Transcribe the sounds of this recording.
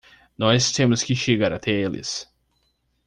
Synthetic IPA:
nɔst̪ẽmʊskɪʃeɡaɾɐt̪ʰɛelɪ̰s

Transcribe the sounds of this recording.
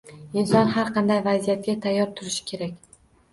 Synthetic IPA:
ɪnsɒnhaɾqʰɑnd̪ajvazijat̪̚ɡʲat̪ʰajːɒɾt̪ʰʊɾɪʃɪ̥kʲʰe̞ɾakʲ

